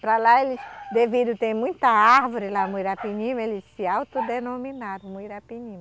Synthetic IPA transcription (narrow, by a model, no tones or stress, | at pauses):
pɾɐlaelɪsd̪evid̪ʊt̪ẽj̃mũj̃t̪ɐaɾvoɾɪlamujɾapiɲĩmɐelɪsɪawt̪od̪enominad̪ʊmujɾapiɲĩmɐ